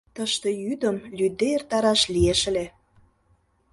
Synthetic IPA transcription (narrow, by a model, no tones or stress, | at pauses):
t̪əʃt̪ejyd̪əmlʲyd̪eert̪ɑɾɑʃlieʃəle